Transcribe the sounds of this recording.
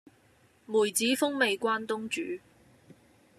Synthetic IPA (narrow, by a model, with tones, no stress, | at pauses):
muː˨˩jt͡siː˨˥fʊ˥ŋme˨˧jkʷwaː˥nt̪ʊ˥ŋt͡ʃyː˨˥